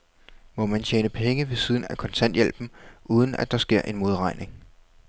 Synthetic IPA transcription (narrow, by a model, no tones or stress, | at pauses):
mɒ̽mænt͡ɕʰeːnəpʰeŋəʋe̝sið̞ˠn̩ækʰɒ̽nt͡sʰæn̰d̥jel̰b̥m̩ʔuːð̞ˠən̩æd̥ɑ̈sɡ̥e̝ɐ̰ʔe̝nmo̝ð̞ˠʁɑ̈ɪnʔe̝ŋ